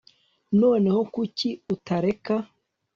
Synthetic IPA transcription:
no̞ːne̞ho̞kuciutaɾe̞ka

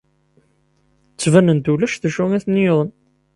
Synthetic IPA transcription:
t͡sːvænənt̪ulæʃθæʃuŋæθnːijoðˤən

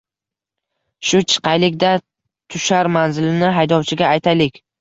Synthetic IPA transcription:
ʃʊt͡ʃʰɪ̥qʰɑjlɪkʲd̪a | t̪ʰʊʃaɾmanzɪlɪnɪɦajd̪ɒwt͡ʃʰɪɡʲaːjt̪ʰajlɪkʲ

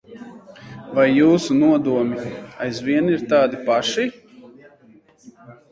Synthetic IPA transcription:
vajːuːsunuɔd̪uɔmʲiajzvʲiɛniɾt̪aːd̪ipaʃi

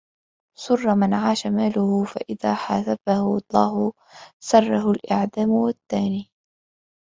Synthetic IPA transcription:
sˤʊrˤːɑmɪnʕaːʃamaːlʊhʊfa̰ʔɪðaːħasabahʊɑlˤːɑːɦʊ | sɑrˤːɑɦʊlʔaʕd̪aːmʊwat̪ːaːniː

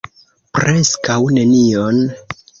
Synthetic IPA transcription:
pɾe̞skawne̞nion

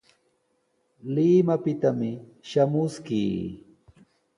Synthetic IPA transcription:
lɪmapɪt̪amɪ | ʃamʊskḭː

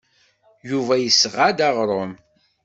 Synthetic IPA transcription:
juvæjəsʁad̪æʁɾˤom

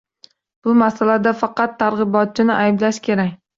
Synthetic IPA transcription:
b̥ʊmasalad̪afɑqɑt̪ʰːaɾʁɨbɒt̪̚t͡ʃʰɪnɪʔajblaʃkʲʰe̞ɾakʲ

